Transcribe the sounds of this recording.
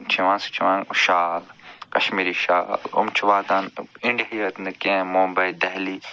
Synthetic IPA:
t͡ʃʰiʋãːst͡ʃʰiʋãːŋʃaːlkɐʃmiːɾiʃa̰ːlʊ̰mt͡ʃʰuʋaːd̪anɪɳɖɦiɐt̪nɐkẽmũmbɐid̪ɛɦliː

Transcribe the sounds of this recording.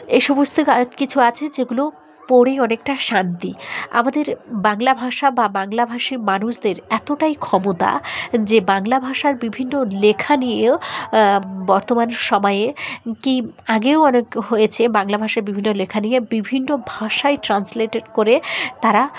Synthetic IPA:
ejʃɔbost̪ʰoakit͡ɕʰuat͡ɕʰed͡ʑeɡulo | pɔɽejɔnekʈaʃant̪ia̰mad̪eɾbaŋlabʱaʃababaŋlabʱaʃimanuʃd̪eɾɛt̪oʈajkʰɔmot̪a̰d͡ʑebaŋlabʱaʃaɾbibʱinːolekʰanije | bɔɾt̪omanʃɔmɔeekiaɡewɔnekɦojet͡ɕʰebaŋlabʱaʃaɾbibʱinːolekʰanijebibʱinːobʱaʃaeʈɾansleʈeɖkoɾet̪aɾa

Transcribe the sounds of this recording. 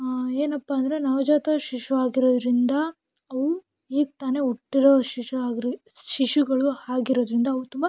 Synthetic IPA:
eːnɐpːaːnd̪ɐɾe̞nɐʋd͡ʒaːt̪ɐʃiʃuaːɡiɾo̞ːd̪ɾind̪ɐː | ʋu | iːɡ̚t̪aːne̞ɔʈːiɾoːʃiʂuaːɡɾi | ʃiʂuɡɐɭuhaːɡiɾo̞ːd̪ɾind̪ɐːʋut̪umba

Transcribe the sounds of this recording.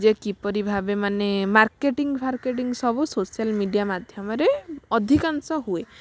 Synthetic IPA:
d͡ʒekipɔɾibʱabemanemaɾkeʈiŋɡpʰaɾkeʈiŋɡsɔbusosialmiɖijamad̪ʱjɔmɔɾeɔd̪ʱikansɔɦue

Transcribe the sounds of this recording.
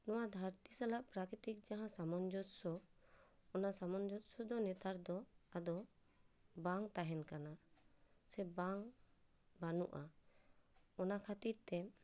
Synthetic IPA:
nɔwad̪ʱaɾt̪isalaʔpɾakɾit̪ik̚d͡ʒaɦãsamɔnd͡ʒɔt̪̚sɔ | ɔnasamɔnd͡ʒɔt̪̚sɔd̪ɔnɛt̪aɾd̪ɔad̪ɔ | baŋt̪aɦɛnkana | sɛbaŋ | banuʔa | ɔnakʰat̪iɾt̪ɛ

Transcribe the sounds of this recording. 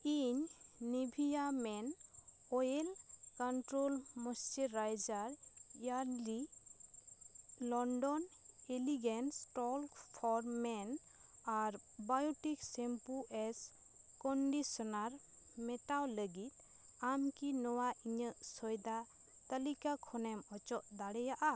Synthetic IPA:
iɲːibʱijamɛn | ɔjelkɔɳʈɾolmɔst͡ʃiɾajd͡ʒaɾjali | lɔɳɖɔn | eliɡensʈɔlkpʰɔɾmɛn | aɾbajɔʈiksempuʔɛs | kɔɳɖisɔnaɾ | mɛʈawləɡit̪̚ | amkinɔwaʔiɲəʔsɔjd̪a | t̪əlikakʰɔnɛmɔt͡ʃɔʔd̪aɽɛjaʔa

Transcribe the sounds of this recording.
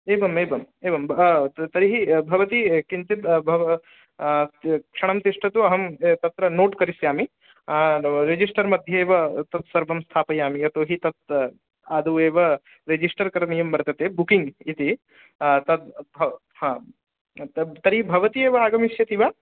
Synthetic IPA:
eːbɐmeːbɐm | eːʋɐmt̪ɐɾiɦibʱɐʋɐt̪ikint̪it̪bʱɐʋ | kʂɐɳɐmt̪iʂʈʰɐt̪uɐɦɐmt̪ɐt̪ɾɐnoːʈkɐɾisjaːmi | ɾed͡ʒisʈɐɾmɐd̪ʱjɐeːʋɐt̪ɐt̪sɐɾbɐmst̪ʰaːpɐjaːmijɐt̪oːɦit̪ɐt̪̚ | aːd̪uʋeːʋɐ | ɾed͡ʒisʈɐɾkɐɾɐɳijɐmbɐɾt̪ɐt̪eːbukiŋɡit̪i | t̪ɐt̪̚bʱɐ | hãː | t̪ɐɾiɦibʱɐʋɐt̪ieːʋɐaːɡɐmiʃjɐt̪iʋaː

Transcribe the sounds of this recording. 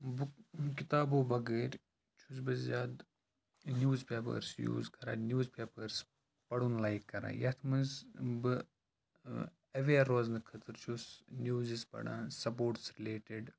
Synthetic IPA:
bkit̪aːboːbɐɡeːɾʲ | t͡ʃʰus̬bɐzzaːd̪ | njuːzpeːpɐ̰ɾsjṵːzkɐɾa̰ːnʲjuːzpeːpɐɾs | pɐɽunlaːikːɐɾã̰ːjɐt̪ʰmɨzbɨ | ɐʋeːɾoːznɨkʰɐt̪ʰɨɾt͡ʃʰusnjuːzispɐ̰ɽã̰ːsɐpoːʈsɾileːʈeɖ

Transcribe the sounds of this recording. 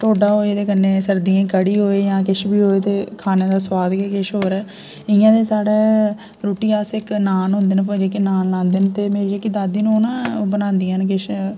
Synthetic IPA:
ʈ̪oːɖaːɦoːeːd̪eːkənːẽːsəɾd̪ijãːkəɽiːɦoːeːjãːkɪʃbiːɦoːeːt̪eːkʰaːnẽːd̪aːswaːd̪kekɪʃɦoːɾɛː | ɪjãːd̪eːsaːɽeː | ɾoːʈiːaːsɪknaːnɦʊ̃nd̪eːnpə̃ːd͡ʒeːkɪnaːnlãːnd̪eːnt̪eːmeːɾiːekɪd̪aːd̪iːnũːʊnãːbənãːnd̪ijãnkɪʃ

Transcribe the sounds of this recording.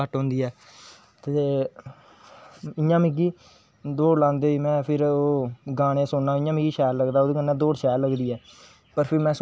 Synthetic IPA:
əʈɦõːnd̪iːɛː | t̪eː | ɪjãːmɪɡiː | d̪oːɽlãːnd̪eːiːmɛ̃ːpʰɪɾoːɡaːɽ̃eːsʊnːaːɪjãːmɪɡiːʃɛːlləɡd̪aːoːd̪eːɡənːãːd̪oːɽʃɛːllːəɡd̪iːɛː | pəɾpʰɪɾmɛ̃ːs

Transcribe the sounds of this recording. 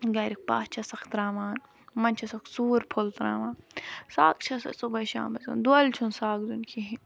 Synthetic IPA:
ɡɐːɾik̚pa̰ːt͡ʃʰɐsɐxt̪ɾaːmaːn | mɐnʲt͡ʃʰɐsɐksuːɾpʰolt̪ɾa̰ːʋaːnsaːkt͡ʃʰɐsɐ̰subɐjʃa̰ːmbɐzɐ̰nd̪uɐlt͡ʃʰunsaːkd̪unkʰiɦĩ

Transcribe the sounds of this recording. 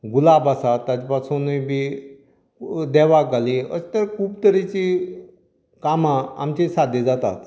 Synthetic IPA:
ɡulabasat̪ːat͡ɕpasonəjbi | d̪ɛʋaɡaleə̰st̪əɾkʰuːbt̪əɾet͡ɕi | kamaːmt͡ɕesad̪ed͡zat̪a̰t̪

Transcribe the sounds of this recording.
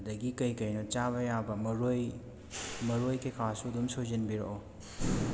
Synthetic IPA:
dɐɡikɐjkɐjnot͡ʃaβɐjabɐmɐɾoj | mɐɾojkɐjkʰasudumsozɐnbiɾo̰ʔo

